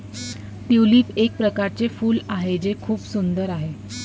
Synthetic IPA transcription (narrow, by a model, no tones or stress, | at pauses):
t̪iwliːpek̚pɾəkaɾt͡sefuːlaɦed͡zekʰuːpsund̪əɾaɦe